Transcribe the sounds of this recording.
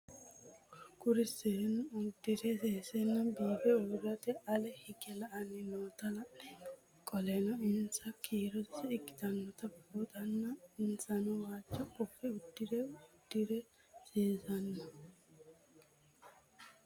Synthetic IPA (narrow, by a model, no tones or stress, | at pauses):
kʊɾɪsːenʊd̪ːɪɾɛseːsɛnːɐbiːbɛʊɾːɐt̪ɛɐlɛhɪkɛlɐʔɐnɪnoːt̪ɐlɐnɛ | kʼɔlɛnɔɪnsɐkʰiːɾɔtsɪkːɪ̥d̪ɐnːɔt̪ɐbot̪ɐnːɐɪnsɐnɔwaːt͡ʃːɔkɔpːɛʊd̪ːɪɾɛʊd̪̥ːɪɾɛ | seːsɐnːɐ